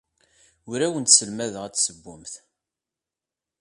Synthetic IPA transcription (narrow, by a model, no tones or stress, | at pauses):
ʊɾæwənt̪səlmæðəʁæt͡sːsəbːʊmθ